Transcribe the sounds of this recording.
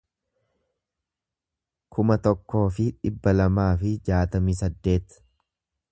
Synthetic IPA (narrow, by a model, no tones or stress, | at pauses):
kʰʊmɐt̪ɔkːo̞ːfɪᶑɪbːɐlɐmaːfɪd͡ʒaːt̪ɐmiːsɐd̪ːe̞ːt̪